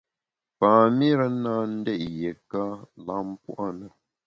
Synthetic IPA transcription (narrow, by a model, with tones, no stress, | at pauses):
pãː˨mi˦ɾə˦naː˦n̩˦dɛ˦˨ʔjɛ˨ka˦la˦˨m˦pṵ˦ʔa˦nə˦